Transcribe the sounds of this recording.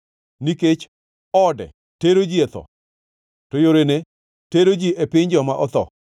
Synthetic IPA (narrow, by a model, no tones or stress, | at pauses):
niket͡ʃ | ɔdɛ̰ | teɾod͡ʒiɛt̪ɔ̰ | tojoɾene | teɾod͡ʒiʔepɪɲd͡ʒɔmaʔɔt̪ɔ̰